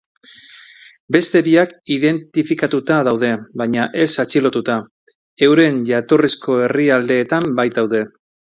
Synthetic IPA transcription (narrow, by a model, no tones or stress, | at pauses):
be̞st̪e̞βiakiðe̞nt̪ifikat̪ut̪aðawðe̞βaɲaʔe̞sat͡ʃilo̞t̪ut̪a | e̞wɾe̞ɲʝat̪orisko̞e̞riald̪e̞ːt̪ambajt̪̚awð̞e̞